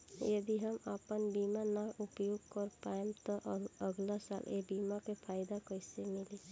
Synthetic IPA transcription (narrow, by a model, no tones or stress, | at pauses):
jəd̪iɦəmə̰pənbimanaʔupjoɡ̚kəɾpaemt̪ɔʔəɡlasa̰lʔḛbimakepʰaɪd̪akəɪsemili